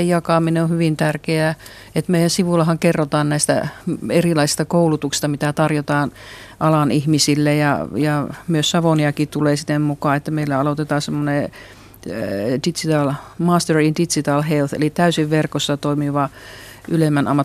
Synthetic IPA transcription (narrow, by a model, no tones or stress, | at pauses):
ejɑkɑˑmineõhyʋint̪ærkeæˑ | et̪meijænsiʋulːɑhɑŋkerːot̪ɑːnnæˑist̪æ̰erilɑisi̥st̪ɑkoulut̪uksi̥st̪ɑmit̪æt̪ɑrjot̪ɑːnʔɑlɑnihmisilːejɑ̰jɑmyøssɑʋoniɑkit̪uleːsinːˑemmukɑːet̪ːæmeilːæɑlot̪et̪ɑːsemːone | dit̪sit̪ɑlmɑːst̪erindit̪sit̪ɑlhelθḛlit̪æysiʋʋerkosːɑt̪oimiʋɑʔylemːænɑmːɑt